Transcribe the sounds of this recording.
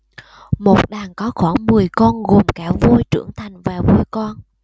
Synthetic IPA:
mo˨˩t̚ɗaː˨˩ŋkɔ˨˦xɔː˧˩mɨ˨˩əjkɔ˧nɣo˨˩mkaː˧˩vu˧jt͡ɕɨ̰˧˩əŋt̪ʰa˨˩jŋ̟vaː˨˩vu˧jkɔ˧n

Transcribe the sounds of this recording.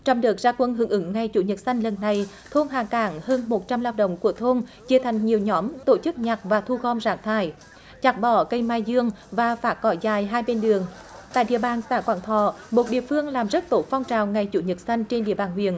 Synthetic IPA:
t͡ɕɔ˧wŋ͡mɗɨ˨˩k̚zaː˧kwə˧nɦɨ˨˧˦ŋʔɨ˨˦ŋŋa˨˩jt͡ɕṵ˧˦ɲə˨˩t̚sa˧jŋ̟lə˨˩nːa˨˩j | t̪ʰo˧nɦaː˧˩kaː˧˦ŋhəː˧nmo˨˩t̚t͡ɕa˧mlaː˧wɗə̰˧˨wŋ͡mku˧˩ət̪ʰo˧nt͡ɕi˧ət̪ʰa˨˩jŋ̟ɲi˨˩əwɲɔ˨˦mt̪o˧˩t͡ɕɨ˦˥k̚ɲa˨˩t̚vaː˨˩t̪ʰu˧ɣɔ˧mzaː˧˥ŋt̪ʰaː˧˩j | t͡ɕa˨˩t̚ɓɔ˧˩˦kə˧jmaː˧jzɨ˧əŋvaː˨˩faː˨˥kɔ˧˩zaː˨˩jɦaː˧jɓe˧nɗɨ˨˩əŋ | t̪a̰ː˧˨jɗḭ˧˨əɓaː˨˩nsa̰ː˧˥kwa̰ː˧˩nt̪ʰɔ̰˧˩mo˨˩t̚ɗḭ˧˨əfɨ˧əŋlaː˨˩mzə˦˥t̚t̪o˨˦fa˧wŋ͡mt͡ɕaː˨˩wŋa˨˩jt͡ɕṵ˧˩˦ɲə˨˩t̚sa˧jŋ̟t͡ɕe˧nɗḭ˧əɓaː˨˩nɦwḭ˧˨ən

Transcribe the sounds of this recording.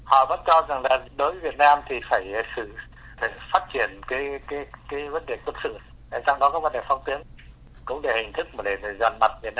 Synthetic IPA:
hɔ̰˧˨və̰˧˥nt͡ɕɔ˧za˨˩ŋlaː˨˩ɗo˨˦vvi˨˩ət̚naː˧mt̪ʰi˨˩faː˧˩jsɨ̰˧˨˧ | faː˦˥t̚t͡ɕi˧˩ənkaː˨˦jkaː˨˦kaː˨˦jvə˨˦nɗe˨˩kə˧˨˩t̚sɨ̰˧˨ | ɗa̰˧˨˩t͡ɕa˧wŋ͡mɗɔ˨˦kɔ˨˦və˨˦nɗe˧˩fɔ˧wŋ͡mt̪i˨˦ən | kʊ̰˧˥ŋ͡mɗe˧˩hï˨˩ŋ̟t̪ʰɨ˦˥k̚mː˨˩ɗe˧˩˨zə˨˩nma˨˩t̚vi˨˩ət̚naː˧

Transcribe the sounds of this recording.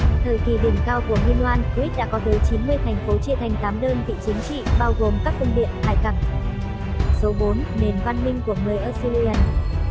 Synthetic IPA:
t̪ʰəː˧˨˩jki˨˩ɗi˨˩nkaː˧wku˧˩əɦwi˧ənlwaː˧nki˦˥t̚ɗa̰ː˧˥kɔ˨˦t̪əː˨˦jt͡ɕi˨˦nmɨ˧əjt̪ʰɛ˨˩jŋ̟fo˨˦t͡ɕi˧˨t̪ʰɛ˨˩jŋ̟t̪aː˨˦mɗəː˧nvḭ˧˨t͡ɕï˨˦ŋ̟t͡ɕḭ˧˨ɓaː˧wɣo˨˩mkaː˦˥k̚və˧ŋ͡mɗḭ˧˨ənhaː˨˩jka˨˩ŋ̚ | so˨˦ɓo˨˦nne˨˩nkwaː˧nmï˧ŋ̟ku˧˩əŋɨ˨˩əjʔəː˧su˧li˧ə˧˩n

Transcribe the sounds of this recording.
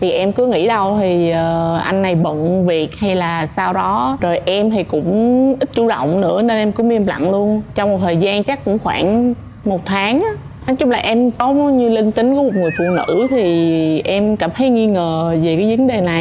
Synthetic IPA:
t̪ʰi˨˩ʔɛ˧mkɨ˨˦əŋḭ˧˥ɗə˧wt̪ʰi˨˩əː˨˩ʔa˧jŋ̟na˨˩jɓə̰˧˨nvi˨˩ət̚ha˧jlaː˨˩saː˧wɗɔ˨˦zo˨˩jʔɛ˧mt̪ʰi˨˩kʊ̰˧˥ŋ͡mʔi˦˥t̟̚t͡ɕu˧˩ɗə̰˧˨wŋ͡mnɨ̰˧˥əne˧nʔɛ˧mkɨ˧˥mi˧əmla̰˧˨ŋlu˧ənt͡ɕɔ˧wŋ͡mmo˨˩t̚t̪ʰəː˨˩jzaː˧nt͡ɕa˦˥kkːʊ̰˧˥ŋ͡mxwaː˧˩n | mo˨˩t̚t̪ʰaː˨˦ŋʔa˨˦ | nɔ˨˦t͡ɕʊ˦˥k͡p̚laː˨˩ʔɛ˧mt̪o˨˦˨ɲɨ˧li˧nt̪ï˨˦ŋ̟kɔ˨˦mo˨˩t̚ŋɨ˨˩əjfṵ˧˨nɨ̰˧˥t̪ʰi˨˩ʔɛ˧mkaː˧˩mt̪ʰə˨˦jŋi˧ŋəː˨˩ve˨˩kaː˨˦jvə˨˦nɗe˨˩na˨˩j

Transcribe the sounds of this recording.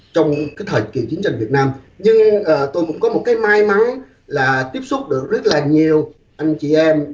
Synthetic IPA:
t͡ɕɔ˧wŋ͡mkaː˨˦jt̪ʰə˨˩kḭ˨˧˩t͡ɕi˨˦ŋt͡ɕa˧j̟vi˨˩ət̚naː˧m | ɲɨ˧ŋʔəː˨˩t̪o˧jkʊ̰˧˥ŋ͡mkɔ˨˦mo˨˩t̚kaː˨˦jmaː˧jma˨˦ŋ | laː˨˩t̪i˦˥əp̚sʊ˦˥k͡p̚ɗɨ˨˩ək̚zə˦˥t̚laː˨˩ɲi˨˩əw | ʔa˧jŋ̟t͡ɕi˨˩ʔɛ˧m

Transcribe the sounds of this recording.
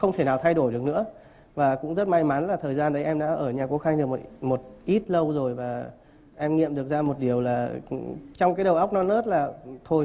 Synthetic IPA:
xə˧wŋ͡mt̪ʰe˧˩naː˨˩wt̪ʰa˧jɗo˧˩jɗɨ˨˩ək̚nɨ̰˧˥ə | vaː˨˩kʊ̰˧˥ŋ͡mzə˦˥t̚ma˧jmaː˨˦nlaː˨˩t̪ʰəː˨˩jzaː˧nɗə˨˦jʔɛ˧mɗa̰ː˧˥ʔəː˧˩ɲaː˨˩ko˨˦xa˧jŋɗɨ˨˩kmo˨˩t̚ʔi˦˥t̚lə˧wzo˨˩jvaː˨˩ | ʔɛ˧mŋḭ˧˨əmɗɨ˨˩ək̚zaː˧mo˨˩t̚ɗi˨˩əwlaː˨˩ | t͡ɕɔ˧ŋ͡mkaː˨˦jɗə˨˩wʔa˦˥k͡p̚nɔ˧nləː˦˥t̚laː˨˩t̪ʰo˧j

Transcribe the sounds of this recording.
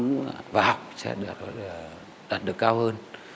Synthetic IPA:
vaː˨˩ha˨˩wk͡p̚sɛ̰˧˥ɗt̚ː | ɗaː˨˩t̚ɗɨ˨˩əkaː˧whəː˧n

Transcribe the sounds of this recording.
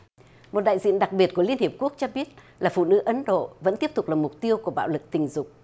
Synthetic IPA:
mo˨˩t̚ɗa̰ː˧˨jzḭ˧˨ənɗa˨˩k̚ɓi˨˩ət̚ku˧˩əli˧ənhi˨˩əp̚ku˦˥ək̚t͡ɕɔ˧ɓi˦˥ət̚ | laː˨˩fṵ˧˨nɨ̰˧˥ʔə˨˦nɗo̰˧˨və̰˧˥nt̪i˦˥əp̚t̪ʊ˨˩k͡plaː˨˩mʊ˨˩k͡p̚t̪i˧əwkəɓa̰ː˧˨wlɨ˨˩k̚t̪ï˨˩ŋ̟zʊ˨˩k͡p̚

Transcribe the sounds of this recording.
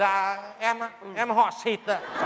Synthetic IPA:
a̰ː˧˨ʔɛ˧m˧ʔɛ˧mɦɔ̰˧˨si˨˩t̪̚a˧˨˩

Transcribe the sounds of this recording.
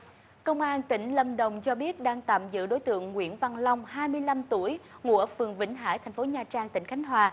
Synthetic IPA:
kə˧wŋ͡mʔaː˧nt̪ï˧˩ŋ̟lə˧˩mɗə˨˩wŋ͡mt͡ɕɔ˧ɓi˦˥ət̚ɗaː˧ŋt̪a̰ː˧˨mzɨ̰˧˨ɗo˨˦jt̪ɨ̰˧˨əŋːwḭ˧˥ənva˧˩nla˧wŋ͡mhaː˧jmɨ˧əjla˧mt̪u˧˩əjŋṵ˧˥əfɨ˨˩əŋvḭ̈˧˥ŋ̟ɦa̰ː˧˥jt̪ʰɛ˨˩ŋ̟fo˨˦ɲaː˨˩t͡ɕaː˧ŋt̪ï˧˩ŋ̟xʰa˨˦jŋ̟ɦwaː˨˩

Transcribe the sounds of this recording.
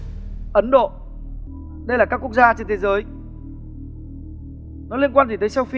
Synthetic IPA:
ʔə˨˦nɗo̰˧˨ | ɗə˧jlaː˨˩kaː˦˥ku˦˥ək̚zaː˧t͡ɕe˧nt̪ʰe˨˦zəː˨˦j | nɔ˨˦li˧ənkwaː˧nt̪i˨˩t̪əː˨˦sa˧wfi˧

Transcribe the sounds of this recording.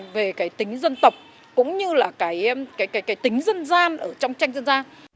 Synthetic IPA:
ve˨˩kaː˨˦jt̪ï˨˦ŋ̟zə˧nt̪ə˨˩wk͡p̚ | kʊ̰˧˥ŋ͡mɲɨ˧laː˨˩kaː˨˦jkaː˨˦jkaː˨˦jkaː˨˦jt̪ï˨˦ŋ̟zə˧nzaː˧nʔəː˧˩t͡ɕɔ˧wŋ͡mt͡ɕa˧jŋ̟zə˧nzaː˧n

